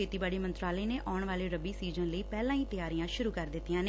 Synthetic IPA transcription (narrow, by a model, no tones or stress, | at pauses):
eːt̪iːbaːɽiːmənt̪ɾaːləːneːʔaːɳʋaːleːɾəbiːsiːd͡ʒə̃nləiːpɛːlãːiːt̪ɪjaːɾijãːʃʊɾuːkəɾd̪ɪt̪ːijãːn